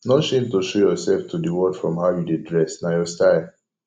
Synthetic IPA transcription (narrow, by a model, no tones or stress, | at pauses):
nɔ̃ʃĩmtoʃojɔsɛlftʰudiwɔdfɹɔ̃mhaʊjudidɹɛsnajɔstaɪ